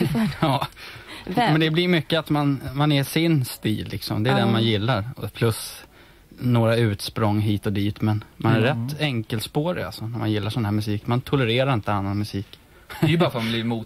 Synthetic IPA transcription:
ɑː | mɛnd̪ɛblɪɾmʏkːəat̪manmanæʂɪnst̪ḭːlːɪ̰ksɔ̰md̪ɛːd̪ɛnmanjɪlːaɾpʰlɵs | noːɾaʉ̟ːt̪spɾɔŋːɦiːt̪ɔd̪iːt̪mɛnmanæɾɾɛt̪ːɛŋkəlt̪spoːɾɪa̰lsɔnæɾmanjɪlːaʂɔnhæːmɵsiːkmant̪ʰɔlɛɾeːɾaɾɪnt̪əanːanmɵsiːk | ɛjbɑɾfamblɪmuː

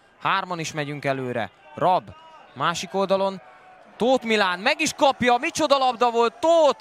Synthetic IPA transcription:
haːrmɒniʃmɛɟyŋkɛløːɾɛ̰ | rɒbmaːʃiko̞ld̪ɒlo̞n | t̪oːt̪milaːnmɛɡiʃkɒpjɒmit͡ʃo̞d̪ɒlɒbd̪ɒvo̞lt̪ːoːt̪

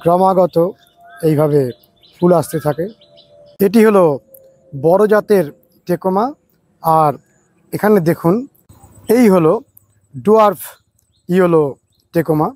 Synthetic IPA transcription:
ɡɾɔmaɡɔt̪o | ejbʱaβe | fʰulast̪et̪ʰake | eʈ̬iɦolo | bɔɾod͡ʑat̪eɾ | ʈekoma | aɾ | ekʰaned̪ekʰun | ejɦolo | ɖuaɾfʰ | iɦolo | ʈekoma

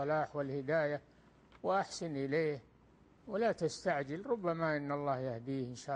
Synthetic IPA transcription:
ɑlaːħwɪlhɪd̪aːja | wʔaħsɪnʔɪleːh | wɪlat̪ast̪aʕd͡ʒɪlɾʊbːamaʔɪnːɑlˤːɑːhjahd̪iːhɪnʃaː

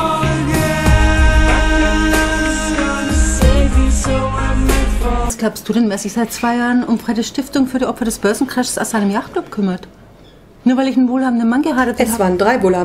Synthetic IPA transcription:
z̥eːvizonsɡ̥laʊpst̚d̥uːdɛnmɛɐzɪçz̥aɪt̚t͡sv̥aɪjaːʁənʊmfʁ̥aɪdəʃtɪftʊŋfyːɐɾiːʔɔpfɐɾɛsb̥œɐzn̩kʁ̥ɛʃsaʊsz̥aɪnəmjaχtkʰlʊpkʰʏmɐt | nuːɐvaɪlɪçnvoːlhaːbn̩dənmanɡəɦaːɾətɛav̥aːɐndʁaɪvoːlhaː

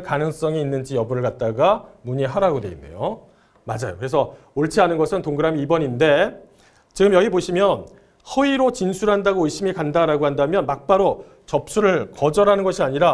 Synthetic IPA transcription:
kanɯŋs͈ʌŋiːnːɯnd͡ʑijʌbuɾɯɭkat̚t͈aɡamuɲiɦaɾaɡodwe̞̰inːḛjo | mad͡ʑajo̰kɯɾe̞s̬ʰʌ | oɭt͡ɕʰianɯnɡʌsʰɯntoŋɡɯɾamiibʌɲinde̞ | t͡ɕiɡɯmjʌɡiboɕʰimjʌn | hʌiɾot͡ɕinsʰuɾɦandaɡoːɭɕ͈imikandaɾaɡoɦandamjʌnmak̚p͈aɾo | t͡ɕʌp̚s͈uɾɯɭkʌd͡ʑʌɾanɯnɡʌɕʰiaɲiɾa

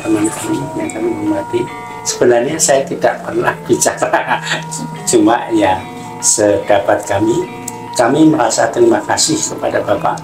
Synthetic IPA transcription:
t̪əmankamijaŋkamiməməɾt̪i | səbənərɲasajat̪idaʔpərnahb̥it͡ʃaɾa | t͡ʃuma̰ʔjaŋ | sədapat̪̚kami | kamiməɾasa̰t̪ɾimakasɪhkəpadabapa̰ʔ

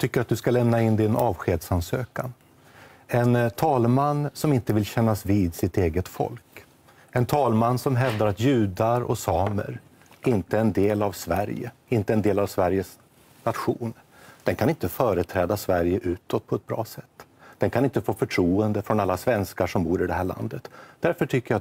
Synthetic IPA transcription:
t̪ʰʏkːəɾat̪̚d̪ɵskalɛmnaɪnd̪ɪnʔɑːvɧeːd̪sansøːkan | ɛnt̪ʰɑːlmanːsɔmɪnt̪əvɪlɕɛnːasviːd̪sɪt̪eːɡət̪fɔ̰lk | ɛnt̪ʰɑːlmanːsɔmɦɛvd̪aɾat̪jʉ̟ːd̪aɾɔ̰sɑːmə̰ɾ | ʔɪnt̪əɛnd̪eːlavsvæɾjə̰ɪnt̪əɛnd̪eːlavsvæɾjəs | nat̪ɧṵːn | d̪̥ɛnkʰanɪnt̪əfœːɾət̪ʰɾɛːd̪asvæɾjəʔʉ̟ːt̪ɔt̪̚ːpʰɔɛt̪̚bɾɑ̰ːsɛt̪ːd̪̥ɛnkʰanɪnt̪əfoːfœʈʰɾuːənd̪əfɾɔnalːasvɛnskaʂɔmbuːɾɪd̪ɛɦæːɭa̰nd̪ət̪d̪̥æɾfœʈʰʏkːəɾja

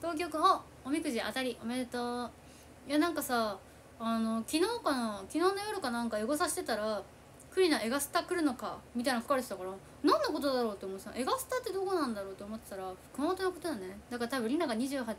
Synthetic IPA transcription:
t̪o̞ːk̬ʲo̞ːkɯ̟̃o | omʲikɯ̟ʑiʔa̰t̪aɾʲiʔomet̪o | janãŋkasaː | no̞kʲino̞ːkankʲino̞ːnojo̞ɾɯ̟kanãŋkaeɡo̞s̬aɕi̥t̪e̞t̪aɾa | kɯ̟ɾʲinaʔe̞ɡasɨ̥t̪akɯ̟ɾɯ̟no̞ka̰mʲit̪ainakḁkaɾet̪e̥t̪akaɾa | nãnːako̞t̪o̞d̪aɾo̞ːt̪ːeomot̪esã̰ʔe̞ɡasɨ̥t̪at̪ːe̞d̪o̞ːko̞nãnd̪aɾo̞ːt̪ːeomo̞t̪ːet̪aɾakɯnoːt̪onokot̪onane̞d̪akaɾat̪abɯ̟̃ɾʲĩnːaɡaɲ̟iʑɨːɦa

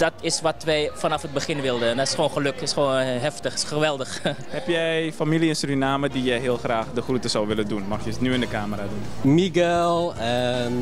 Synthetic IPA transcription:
d̥ɔtɪsʋɔtʋɛjfanɑfɦəd̚bəχɪnʋɪlˠdəndɔtɪ̥sχoːnχəløkɪsχʋoːnɦɛftəxɪsχəʋɛlˠdəxhɛpjɛjfamiliənsrinaːmədijɛjɦiəlˠxraːxdəxrutəsawʋɪlədunmɔxjəsnyɪndəkaːməradunmiɡɛlˠə

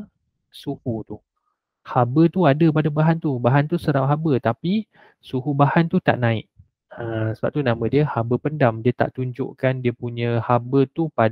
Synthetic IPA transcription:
suhut̪u | habət̪uadəpadabaɦant̪ubaɦant̪usəɾaʔɦabət̪api | suɦubahant̪ut̪a̰ʔnãɪʔ̚ | əsəba̰p̚t̪unãmə̃diəhabəpəndamdiət̪a̰ʔt̪uɲd͡ʒo̰ʔkandiəpuɲə̃habət̪upa

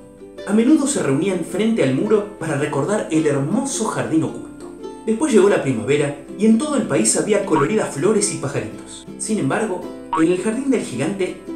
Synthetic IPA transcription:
ame̞nuðo̞sere̞uniaɱfɾe̞nt̪ealmuɾo̞paɾare̞ko̞ɾð̞aɾeleɾmo̞so̞xaɾðino̞kult̪od̪espwezʝe̞ɣo̞lapɾimaβe̞ɾa | ie̞nt̪̬o̞ð̞oelpaisaβiako̞lo̞ɾiðaflo̞ɾe̞sipaxaɾit̪o̥s | sinẽ̞mbaɾɣo̞ | ene̞lxaɾðind̪e̞lxiɣant̪e̞

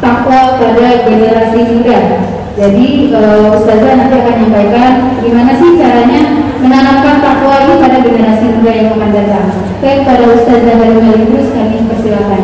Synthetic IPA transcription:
t̪akɔpadaɡeneɾasinuɾa | d͡ʒadikalawwust̪azadudakaɲampajkanɡimanasɪht͡ʃaɾaɲamənanamkant̪akɔaɡipadaɡimanasisudajaŋmakand͡ʒaɾaŋ | t̪akpadaust̪azabaɾumalit̪ɾʊskanipərsilakan

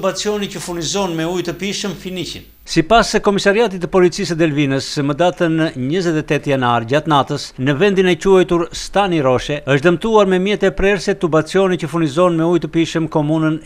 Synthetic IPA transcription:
ubat͡siɔnicəfunizɔnmɛujt̪əpiʃəmfinicə̰n | sipaskɔmisaɾiat̪̬it̪əpɔlit͡sis̬əd̪ɛlvinəsməd̪at̪ənɲəzɛt̪ɛt̪ɛt̪janaɾɟat̪nat̪əsnəvɛnd̪inɛcuɛjt̪uɾst̪aniɾɔʃɛəʃd̪əmt̪uaɾmɛmjɛt̪ɛpɾɛɾsɛt̪ubat͡sjɔnicəfuɾnizɔnmɛujt̪əpiʃəmkɔmunən

